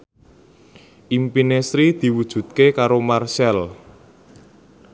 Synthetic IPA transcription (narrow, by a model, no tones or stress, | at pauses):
ʔimpinesɾid̪̥i̤wud̥ʒ̥ṳt̪̚kekaɾomarsɛl